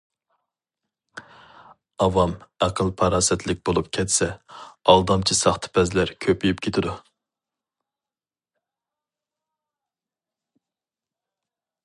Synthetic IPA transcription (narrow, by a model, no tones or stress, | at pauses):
ɑvɑmæqʰəlˠpʰɑɾɑːsɛt̪ʰlɪk̚ʲbolˠup̚kʲʰɛt̪sɛɑlˠd̪ɑmt͡ʃʰisɑχt̪ʰɨ̥pʰɛzlæɾkʲʰøpyjypkʲʰet̪ʰɪd̪u